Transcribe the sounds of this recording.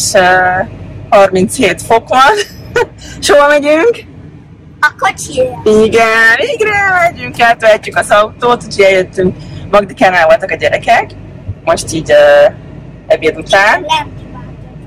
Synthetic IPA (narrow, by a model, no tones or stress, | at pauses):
ʃøː | hɒrmint̪sheːt̪fo̞kʋɒn | ʃoːbɒmɛɟyŋk | kot͡ʃiiɡɛniɡɾɛmɛɟyŋkɛlt̪ɛɦɛcːykɒzɒwt̪oːt̪ut̪ʰoɟɛljøt̪ːyŋkmɒɡd̪ikanaːvo̞lt̪ɒkɒɟɛɾɛkɛk | mo̞ʃt̪iːɟøː | ɛbiɛd̪ut̪aːnɛ